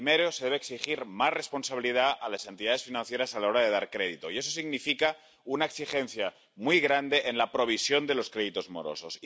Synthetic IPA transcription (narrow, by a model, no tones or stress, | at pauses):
meɾoseðeβeːksixiɾmasre̞spo̞nsaβiliðaalasent̪iðaðe̞sfinãnθje̞ɾasalao̞ɾaðe̞ðaɾkɾeðit̪o̞ie̞s̬o̞siɣnifika | unaeksixenθja | mujɣɾand̪eʔenlapɾo̞β̞isjo̞nd̪e̞lo̞skɾeðit̪o̞zmo̰ɾo̰so̞s